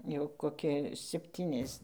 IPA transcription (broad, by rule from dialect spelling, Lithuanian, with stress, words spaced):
ˈjɛʊ koːˈkʲɪ sʲɛpʲˈtʲiːnʲɛs